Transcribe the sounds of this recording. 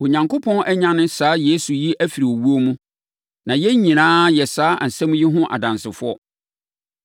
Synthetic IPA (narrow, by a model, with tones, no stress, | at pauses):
o˨ɲã˨ŋko˦pʰɔ̃˦nʔɛ˦ɲã˦nɪ̃˦saː˨˦je˦su˨ji˦ʔæ˦fi˨ɾi˨o˨wu˦o˦mũ˦ | nã˨jɛ˦ɲĩ˨nãː˦jɛ˨saː˨˦a˨n̩˨sɛ̃˦m̃˦ji˦ɦʊ̃˦ʔa̰˨dã˨nsɪ˨fʊ˦ɔ˦